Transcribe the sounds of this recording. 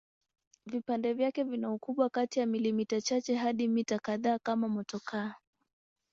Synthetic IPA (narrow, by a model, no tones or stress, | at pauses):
vipandɛvjakɛvinaukuɓwakatijamilimitat͡ʃat͡ʃɛɦaɗimitakaðaːkamamɔtɔkʰa